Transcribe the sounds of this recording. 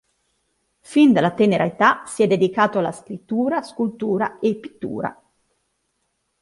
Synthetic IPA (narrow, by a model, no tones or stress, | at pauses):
find̪alːat̪eneɾaet̪asiɛd̪ːed̪ikaːt̪oalːaskɾit̪ːuːɾaskult̪uːɾa̰epːi̥t̪ːṵːɾa̰